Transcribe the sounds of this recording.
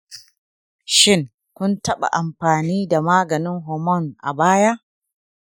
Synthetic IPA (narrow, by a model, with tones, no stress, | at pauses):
ʃɪ˦˨ŋ | kʷʊ˦ntɐ˦ɓa̰˨ʔa˨mɸaː˨niː˦da˨maː˦ɡɐ˨nɪ˦ŋɦɔ˨mɔ˦˨nʔa̰˨baː˦ja˦ʔ